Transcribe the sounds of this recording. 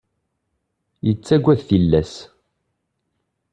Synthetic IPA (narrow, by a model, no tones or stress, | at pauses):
jət͡sːæɡʷːæðθilːæs